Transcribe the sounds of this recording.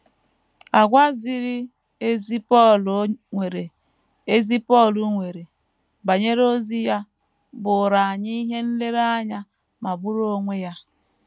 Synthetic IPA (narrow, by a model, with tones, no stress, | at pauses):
a˨ɡʷa˦zi˦˨ɾi˦ | e˦zi˦pɔ˦˨lŋʷe˨ɾe˨ | e˦zi˦pɔ˦˨lu˨ŋʷe˨ɾe˨ | ba˨ɲe˦ɾo˦zi˦ja˦ | bʊ˨ɾa˨a˨ɲi˦i˦ɦe˦n̩˦le˦ɾa˦ɲa˦ | ma˨bu˦ɾo˦ŋʷe˦ja˦